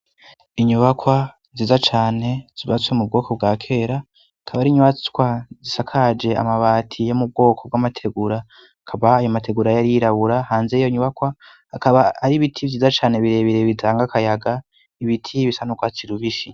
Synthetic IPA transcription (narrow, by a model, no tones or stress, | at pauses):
iɲuβakʰwa | zizat͡ʃaːne̞z̥iβat͡swe̞mub̚ɡo̞ːkʰo̞bɡaːkʰe̞ːɾa | kʰaβaɾiɲuβat͡skwazisakʰad͡ʒe̞a̰maβatʰijo̞mub̚ɡo̞ːkʰo̞b̚ɡamatʰe̞ɡuɾa | kʰaβaːjomatʰe̞ɡuɾajaɾiɾaβuɾahaːnzejo̞iɲuβakwa | hakaβaːɾiβitʰivzizat͡ʃaːne̞βiɾe̞βiɾeβitʰaːŋɡakajaɡa | iβitʰiβisanukwat͡siɾuβiʃi